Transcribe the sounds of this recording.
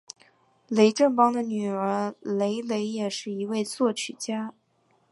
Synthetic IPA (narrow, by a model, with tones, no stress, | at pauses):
le˧˥ɪʈ͡ʂə˥˩npɑ˥ŋd̪ə˨ny˨˩ə˞˧˥le˧˥ɪle˧˥ɪjɛ˨˩ʂɻ̩˥˩i˧˥we˥˧ɪt͡swɔ˥˩t͡ɕʰy˨˩t͡ɕja˥